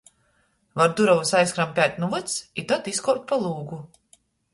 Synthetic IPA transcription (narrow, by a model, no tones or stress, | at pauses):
vaɾd̪uɾɔvusajskɾampʲæːt̪ʲnuvɨt̪sit̪at̪iskɔɾt̪̚ʲpalˠuːɡu